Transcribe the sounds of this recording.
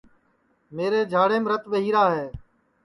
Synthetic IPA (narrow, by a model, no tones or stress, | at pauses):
meːɾeːd͡ʒʱaːɽeːmɾət̪ɓəɦiːɾaːɦeː